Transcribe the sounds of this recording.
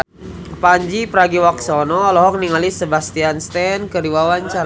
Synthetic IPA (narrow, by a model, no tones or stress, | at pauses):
paɲd͡ʒipəɾaɡiwaksɔnɔːlɔɦɔk̚niŋalisəbast̪ianst̪ɛnkəɾiwawaɲt͡ʃaɾ